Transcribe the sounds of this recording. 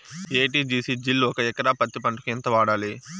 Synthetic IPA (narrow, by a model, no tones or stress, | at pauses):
eːʈiːd͡ʒiːsid͡ʒilːuɔkɐɛkɐɾaːpɐt̪ːipɐɳʈukent̪ɐʋaːɽaːli